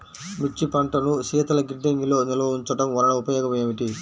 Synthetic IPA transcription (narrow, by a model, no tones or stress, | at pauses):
mit͡ʃːipɐɳʈɐnusiːt̪ɐlɐɡiɖːeŋɡilo̞ːniloːuɲt͡ʃɐʈɐmʋɐɾɐɭɐupɐjoːɡɐmeːʋiʈi